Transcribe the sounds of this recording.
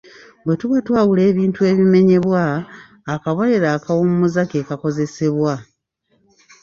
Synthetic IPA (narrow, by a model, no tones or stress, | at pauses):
βwe̞tuβatwaːwule̞ːβiːntue̞ːβime̞ɲe̞βwaː | kaβoleɾaːkawommuzakeːkako̞ze̞se̞βwa